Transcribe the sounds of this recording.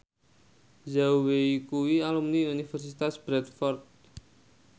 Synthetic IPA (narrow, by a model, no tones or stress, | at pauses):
zaweikuwialumniunifɛrsit̪asbɾɛt̪̚fɔrt̪̚